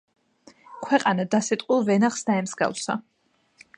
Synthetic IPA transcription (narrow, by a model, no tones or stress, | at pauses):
kʰwɛqʼanad̪asɛt̪ʼqʼwilˠvɛnaχsd̪aɛmzɡa̰lˠsa̰